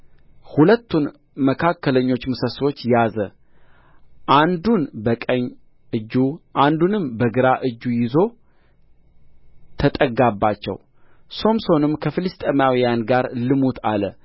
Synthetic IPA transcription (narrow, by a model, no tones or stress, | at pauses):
hulət̪ːun | məkʰakːələɲːo̞t͡ʃːmɨsəso̞t͡ʃːjazə | ʔand̪unbəkʼəɲː | ɨd͡ʒːuʔand̪unɨmbəɡɨɾaʔɨd͡ʒːujɪzo̞ | t̪ʰət̪ʼəɡabːat͡ʃːɛ̰w | so̞mso̞nɨmkʰəfɨlɨst̪ʼemawijanɡaɾlɨmut̪ʰalə̰